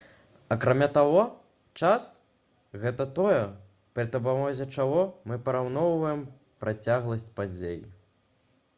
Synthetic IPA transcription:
ɐkɾamʲat̪aɣɔ | t͡ʂas | ɣɛt̪ɐt̪ɔjɛ | pɾɨt̪ɐbamɔzʲɛt͡ʂaɣɔmɨpɐɾawnɔwvɐjɛm | pɾʔat͡sʲaɣlˠɐsʲt͡sʲpad͡zʲejḭ

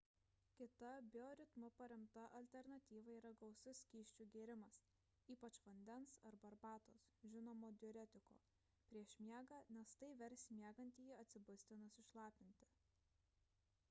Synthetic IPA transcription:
kʲɪt̪ɐbʲɪoːɾʲɪt̪mʊpɐɾʲɛmt̪ɐʔɐlʲt̪ʲɛɾnɐt̪ʲiːʋɐiːɾɐɡɒʊsʲʊsʲkʲiːʃʲt͡ʃʲuːɡʲeːɾʲɪmɐs | iːpɐt͡ʃʋɐnʲd̪ʲɛnsɐɾbɐɾbɑːt̪oːsʒʲɪnoːmoːd̪ʲɔːɾʲɛt̪ʲɪko̰ː | pʲɾʲiɛʃmʲiɛɡɑːnʲɛst̪ɐɪʋʲɛɾʲsʲmʲiɛɡɐnʲt̪ʲiːjiːɐt̪ʲsʲɪbʊsʲt̪ʲɪnɐsɪʃlˠɑːpʲɪnʲt̪ʲɪ̥

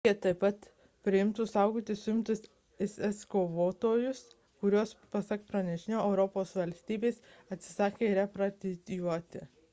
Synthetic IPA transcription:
eɛt̪ɐɪpɐt̪ | pʲɾʲɪɪmt̪ʊsɑˑʊɡoːt̪ʲɪsʊjɪmt̪ʊs | ɛsɛskoːʋoːt̪oːjʊs | kʊɾʲuɔspɐsɐkpɾɐnʲɛʃʲɪnʲoːɛʊɾɔpoːsʋɐlʲsʲt̪ʲiːbʲeːsɐt̪ʲsʲɪ̥sɑːkʲeːɾʲɛpɾɐt̪ʲɪt̪ʲjuɔt̪ʲɪ

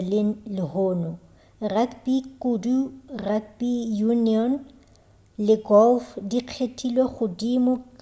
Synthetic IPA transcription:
lɪlɪhʊːnɔ | rakbikudurakbijuniɔn | lɪɡɔlfdiq͡χʰetʰʼilweχʊdimʊk

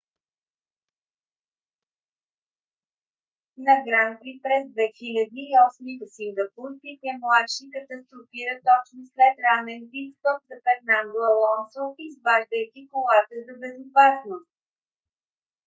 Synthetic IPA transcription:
nɐɡɾanpipɾɛzd̪vɛxilʲɐd̪iːɔsmit̪əsiŋɡəpuɾpit̪ɛmlˠat̪ʃikət̪əst̪ɾʊfiɾət̪ɔt͡ʃnoslɛt̪ɾanɛnpikst̪ɔpzɐpɛt̪nanolˠəlˠɔnsofizvaʒd̪əjk̪ʲikolˠat̪əzɐbɛzopasnost̪̚

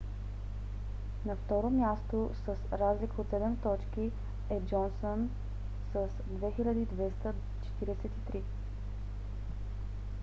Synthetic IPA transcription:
nɐft̪ɔɾomʲjast̪osəsɾazlikəot̪sɛd̪ɛmt̪ɔt͡ʃki | ɛd͡ʒɔnson | səsd̪vɛxilʲəd̪iid̪vɛst̪ə | t͡ʃɛ̥t̪iɾɛsɛt̪it̪ɾi

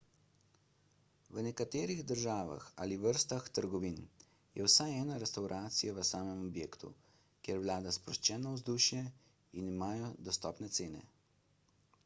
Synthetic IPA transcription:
ʋənɛkat̪eːɾiɣd̪əɾʒaːʋa̰xa̰ːliʋəɾst̪axt̪əɾɡɔʋin | jɛ̰wsajɛːnaɾɛst̪awɾʔaːt̪sijaʋəsaːmɛmɔbjeːkt̪ṵ | kjeɾwlaːd̪aspɾɔʃt͡ʃɛːnawzd̪uːʃjɛ | inimaːjɔd̪ɔst̪ɔːpnɛt̪seːnɛ̰

